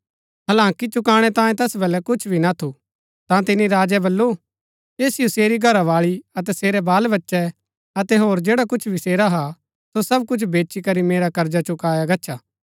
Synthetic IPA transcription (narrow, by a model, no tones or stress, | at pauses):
ɦɐlãːŋkit͡ʃʊkaːɽ̃ɛt̪ãːjẽt̪ɛsbɛlɛkʊt͡ʃʰbʱinat̪ʰu | t̪ãt̪ɪniɾaːd͡ʒɛbɐlːo | eːsɪjoseːɾiɡʱɐɾaʋaːɭiɐt̪ɛseːɾɛbaːlbɐtːʃɛ | ɐt̪ɛɦoːɾd͡ʒeːɽakʊt͡ʃʰbʱɪseːɾaɦa | sosɐb̚kʊt͡ʃʰbeːt͡ʃikɐɾimeːɾakɐɾd͡ʒat͡ʃʊkaːjaɡɐtːt͡ʃʰaː